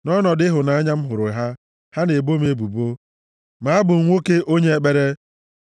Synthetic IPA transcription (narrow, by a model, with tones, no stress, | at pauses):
nɔ˦nɔ˨dɪ˦ɦʊ˨na˨a˦ɲa˦m̩˦ɦʊ˨ɾʊ˨ɦa˦ | ha˦ne˨bo˦me˦bu˨bo˦ | ma˨a˦bʊ˨ŋ̩˦ŋʷo˦ke˦ʔo˦ɲe˦e˦k͡pe˦ɾe˦